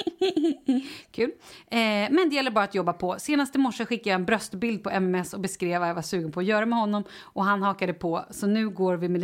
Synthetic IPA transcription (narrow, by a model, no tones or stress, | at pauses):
kʰʉ̟ːl | mɛnd̪ɛjɛlːəɾbɑːɾat̪jɔbːapʰɔseːnast̪ɪmɔʂːəɧɪkːajaɛnbɾœst̪bɪld̪̚pʰɔʔɛmɛmɛsɔbɛskɾeːvajavaʂʉ̟ːɡənpʰɔːjœːɾamɛhɔnːɔmʔɔɦanɦɑːkad̪əpʰɔsɔnʉ̟ːɡoːɾvɪmɛl